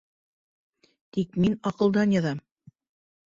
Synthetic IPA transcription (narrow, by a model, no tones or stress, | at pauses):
t̪ikminɑqɤ̆lˠd̪ɑnjɑðɑm